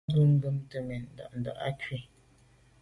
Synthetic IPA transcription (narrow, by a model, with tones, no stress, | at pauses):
du˦ŋ̩˦ɡə˦m˦tə˨mɛ˨n˨da̰˨ʔn˨da̰˨ʔa̰˦ke˨